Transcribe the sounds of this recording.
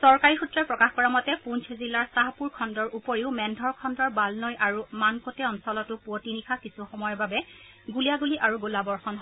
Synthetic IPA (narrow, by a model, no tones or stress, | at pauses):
sɔɹkaɹixutɹɔpɹɔkaxkɔɹamɔtɛpunt͡ʃʰzilːaɹsaɦapuɹkʰɔndɔɹʔupoɹiʊmɛndʱɔɹkʰɔndɔɹbalnɔjʔaɹumankotɛɔnsɔlɔtʊpuotinikʰakisuxɔmɔjɔɹbabɛ | ɡulijaɡuliʔaɹuɡulabɔɹxɔnɦɔ